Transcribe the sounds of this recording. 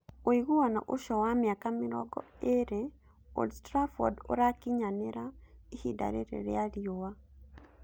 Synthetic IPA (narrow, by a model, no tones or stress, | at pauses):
oiɣuwana̰ʔoʃɔwamjakameɾɔɡɔ̰eɾe | o̰lstɾafɔ̰do̰ɾakiɲaneɾaihida̰ɾḛɾḛɾḛaɾiowa